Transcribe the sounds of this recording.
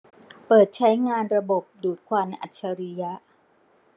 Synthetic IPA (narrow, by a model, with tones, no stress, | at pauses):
pɤː˨˩t̪̚t͡ɕʰa˦˥jŋaː˧nɾa˧bo˨˩p̚duː˨˩t̪̚kʰwa˧nʔa̰˨˩t̪̚t͡ɕʰa˧ɾi˦˥ja˦˥ʔ